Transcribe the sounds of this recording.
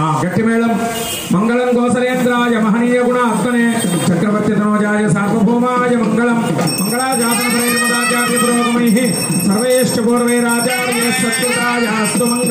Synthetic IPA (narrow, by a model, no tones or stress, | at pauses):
aːɡɐʈːimeːlɐm | mɐŋɡɐɭɐmɡoːsɐleːnd̪ɾaːjɐmɐɦɐniːjɐɡuɳaːɐt̪ːɐneːt͡ʃɐkɾɐʋɐɾt̪ːit̪ɐnoːt͡ʃaːɾjɐsaːɾʋɐbʱoːmaːjɐmɐŋɡɐɭɐmː | ɐŋɡɐɭaːd͡ʒaːt̪ɐnɐpɐɾɐːɾimɐɾaːt͡ʃaːɾjɐpuɾoːt̪ɐmɐjɦi | sɐɾʋɐjeːʂʈɐpoːɾʋeːɾaːd͡ʒaːɾjɐːɐsjɐt̪ːuʈaːjaɐst̪umɐŋɡ